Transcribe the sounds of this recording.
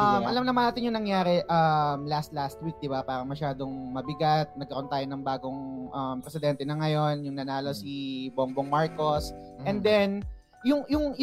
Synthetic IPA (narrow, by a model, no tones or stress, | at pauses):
ʔɐmʔɐlamnɐmɐnaːt̪ɪnjʊŋnɐŋjaːɾɛʔɐmlast̪last̪̚wik̚d̪ɪbapaːɾɐmɐʃaːd̪o̞ŋmɐbɪɡat̪̚nɐɡ̚kːɐɾʔnt̪aːjo̞nɐŋbaːɡo̞ŋʔɐmpɾɛsɪd̪ɛnt̪ɛnɐŋɐjo̞njʊŋnɐnaːlo̞siboŋboŋmaɹko̞s | ɛnd̪ɛn | jʊŋjʊŋj